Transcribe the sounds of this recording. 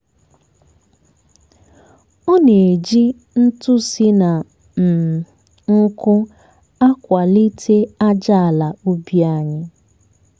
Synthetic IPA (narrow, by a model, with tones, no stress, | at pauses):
o˦ne˨e˨d͡ʒi˦ | n̩˦tʊ˦si˦na˨ | m̩˨ | ŋ̩˦kʊ˦ | a˦kʷa˨li˦tʰe˦a˦d͡ʒa˦a˨la˨u˦bi˦a˦˨ɲɪ˦